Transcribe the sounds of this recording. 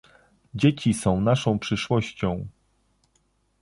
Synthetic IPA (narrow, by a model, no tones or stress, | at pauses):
d͡ʑet͡ɕisɔ̃w̃naʂɔ̃w̃pʂɘʂwɔɕt͡ɕɔ̃w̃